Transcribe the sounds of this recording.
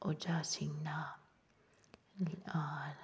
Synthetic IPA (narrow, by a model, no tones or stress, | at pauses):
ʔʊd͡ʒaːsinːa | lʔaːn